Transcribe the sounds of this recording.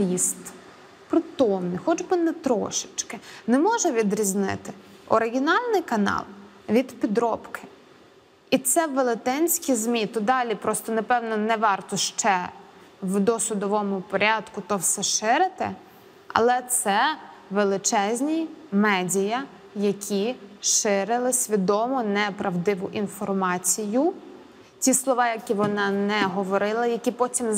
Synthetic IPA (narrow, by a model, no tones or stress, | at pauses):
ist̪ | pɾɔt̪ɔwnɪxɔd͡ʒbɪnɛt̪ɾɔ̰ʃɪ̥t͡ʃkɪnɛmɔʒɛʋʲid̪ɾʲizʲnɪ̰t̪ɪ | ɔ̰ɾɪɦʲinɑlʲnɪjkɐnɑ̰lˠ | ʋʲid̪pʲid̪ɾɔpkʰɪ̥ | it̪sɛʋelˠɪt̪ɛnʲsʲkʲizmʲit̪ɔd̪ɑlʲipɾɔst̪ɔnɐpɛwnɔnɛʋɑrt̪ɔʃt͡ʃɛ | wd̪ɔsʊd̪ɔʋɔmʊpɔɾʲɑd̪kʊt̪ɔwsɛʃɪɾɪt̪ɪ | ɐ̰lˠɛt̪sɛʋelˠɪt͡ʃɛzʲnʲimɛdʲijɐ | jɐkʲʰiʃɪɾɪlˠɪsʲʋʲid̪ɔmɔnɛpɾɐwd̪ɪʋʊʔinfɔrmɑt͡sʲijʊ | t͡sʲislˠɔʋɑjɐkʲiʋɔnɑnɛɦɔʋɔɾɪlˠɐjɐkʲipɔtʲim